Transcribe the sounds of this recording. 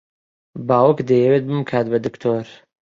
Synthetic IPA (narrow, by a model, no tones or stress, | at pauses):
baːwəkd̪ejewet̪̚bɨmkʰaːt̪bɐd̪ɨkt̪ʰoːɾ